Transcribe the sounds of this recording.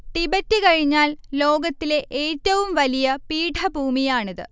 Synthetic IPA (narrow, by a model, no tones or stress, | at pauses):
t̪ibɐtːikɐɻiɲːaːllo̞ːɡɐt̪ːile̞ʔeːtːɐʋumʋɐlijɐpiːʈʰɐbʱuːmijaːɳiðɨ̰